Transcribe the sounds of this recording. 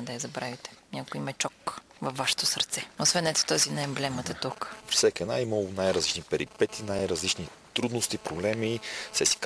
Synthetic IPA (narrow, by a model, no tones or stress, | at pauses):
d̪ɐjɐzɐbɾavit̪ɛ̥nʲakoimɛt͡ʃɔk | vɐfːaʃo̥t̪osɐɾt̪sɛosvɛnːɛt̪o̥t̪ɔzinɐɛmblɛmɐt̪ət̪ukpɾi̥sʲakiɛdnaiməlˠnajɾɐzlit͡ʃnipɛɾipɛt̪ʰinajɾɐzlit͡ʃni | t̪ɾud̪nost̪ipɾoblɛmisɛsi̥k